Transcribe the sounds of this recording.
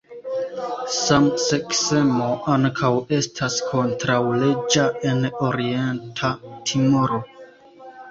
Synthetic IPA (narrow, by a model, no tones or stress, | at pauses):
samse̞kse̞mo̞ʔaŋkʰawe̞stʰaskʰo̞ntɾawle̞d͡ʒae̞no̞ɾie̞ntʰatʰimoɾo̞